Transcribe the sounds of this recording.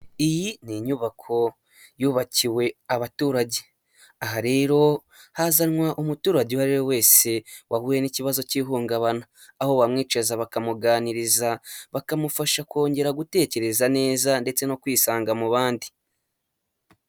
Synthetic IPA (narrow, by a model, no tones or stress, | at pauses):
ijiniɲuβakʰo̞ | juːβaciwe̞aβatuːɾaɟe | aɦaɾe̞ːɾo̞ | hazanŋwaʔumutuːɾaɟewaɾijowe̞ːse̞wahuːje̞niciβazo̞ciːɦuːŋɡaβanaː | ho̞βamŋiːt͡ʃezaβakamuɡaːniɾizaβakamufaʃako̞ːɲɟe̞ɾaɡute̞ːce̞ɾe̞zane̞ːzande̞t͡se̞no̞kwiːsaːŋɡamuβaːndi